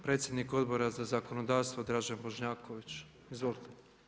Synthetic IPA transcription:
pɾe̞ːt̪sʲje̞d̪niko̞d̪bo̞ɾazazako̞nod̪aːɾst̪vʋod̪ɾad͡ʒanbo̞ʃɲaːkoʋit͡ʃ | izʋo̞lit̪e

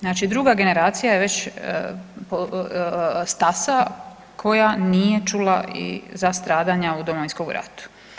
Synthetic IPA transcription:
znaːt͡ʃid̪ɾuɡaɡe̞ne̞ɾaːt̪sijajeʋe̞t͡ɕ | po | st̪asa | kʰo̞janije̞t͡ʃulaḭzast̪ɾaːd̪aɲaud̪omoʋinskomɡɾa̰t̪u̥

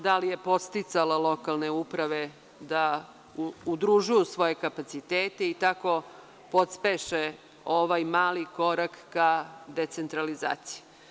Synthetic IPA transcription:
d̪alije̞po̞t̪st̪it̪salalˠo̞kalˠneupɾaʋe̞ | d̪a | ud̪ɾuʒujusʋo̞je̞kapat̪sit̪eːt̪e̞it̪ako̞ | po̞t̪speʃe | oʋajmaːliko̞ɾakːad̪e̞t̪se̞nt̪ɾaliza̰ːt̪si̥ju

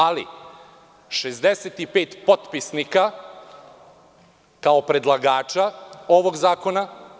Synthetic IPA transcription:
alḭ | ʃezd̪eset̪ipeːt̪pot̪pisnika | kao̞pɾe̞d̪lˠaɡaːt͡ʃao̞ʋo̞ɡzaːko̞na

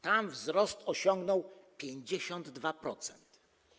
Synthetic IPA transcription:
t̪amvzɾɔst̪ɔɕɔŋɡnɔwpʲjeɲd͡ʑeɕɔnd̪ːvapɾɔt̪sɛnt̪

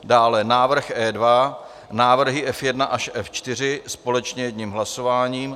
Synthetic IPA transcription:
daːlɛnaːvr̩xʔɛːdva | naːvr̩ɦɪʔɛfjɛdnaʔaʃʔɛft͡ʃt̪ɪr̝ɪspo̞lɛt͡ʃɲɛjɛdɲimɦlaso̞vaːɲiːm

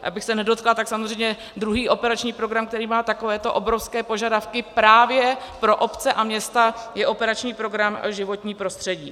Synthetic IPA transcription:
ʔa̰bɪxsɛnɛdo̞t̪klat̪aksamozrɛjɲɛ | d̪ɾuɦiːʔo̞pɛɾat͡ʃɲiːpɾo̞ɡɾamkt̪ɛɾiːmaːt̪ako̞vɛːt̪o̞ʔobɾo̞fskɛːpo̞ʒadafkɪpɾaːvjɛpɾo̞ʔo̞pt͡sɛʔamɲɛst̪ajɛʔo̞pɛɾat͡ʃɲiːpɾo̞ɡɾamʒɪvo̞t̪ɲiːpɾo̞st̪r̥ɛɟiː

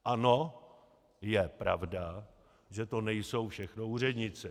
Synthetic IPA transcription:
ʔano̞ | jɛpɾavda | ʒɛt̪o̞nɛjso̞wfʃɛxno̞uːr̝ɛdɲɪt͡sɛ

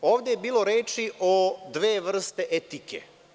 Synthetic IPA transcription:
oːʋd̪ejebiːlˠo̞ɾeːt͡ʃiʔod̪ʋeːʋr̩st̪e̞ʔet̪ikʰḛ

